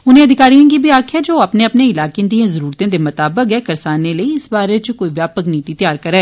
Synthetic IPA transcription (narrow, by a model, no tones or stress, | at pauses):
ʊnẽːɐd̪ʱɪkaːɾijãːkibʱiaːkʰjɛd͡ʒoːɐpneɐpneɪlaːkẽd̪iãzɐɾuːɾt̪ãːd̪emɐt̪aːbəkɦɛːkɐɾsaːneləiɪsbaːɾet͡ʃkoːiʋjaːpəkniːt̪it̪ɪjaːɾkɐɾɛː